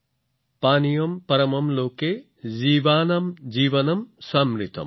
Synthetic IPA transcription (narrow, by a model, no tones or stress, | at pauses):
paːnijɐmpɐɾɐmɐmloːke | ziːʋaːnɐmd͡ʒiːʋɐnɐmsaːmɾit̪ʰɐ̰m